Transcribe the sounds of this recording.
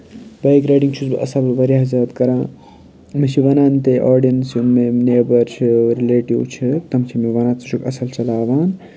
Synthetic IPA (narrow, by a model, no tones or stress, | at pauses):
bɐjkɾɐjɖiŋt͡ʃʰuzb̰ʔɐsabɐlʋɐɾjaɦzaːd̪kɐɾãː | mit͡ʃʰiʋɐnaːnt̪eʔoːɾɖijɐnsumeneːbɐɾt͡ʃʰiɾileːʈiwt͡ʃʰit̪ɐmt͡ʃʰimeʋɐnaːt̪t͡ʃʰukɐsɐlt͡ʃɐlaːʋaːn